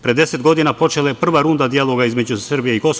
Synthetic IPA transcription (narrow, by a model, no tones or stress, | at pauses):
pɾʲed̪e̞set̪ɡo̞d̪inapo̞t͡ʃe̞lajepr̩ʋaɾund̪ad̪ijalˠo̞ɡaizme̞d͡ʑusrbije̞iko̞s